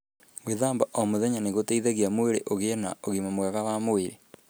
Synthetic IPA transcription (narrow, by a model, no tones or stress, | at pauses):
weðaːmbaʔomoðɛɲaneɣoteiðeɣiamoeɾeʔoɣena̰oɣimamwɛɣawamoeɾe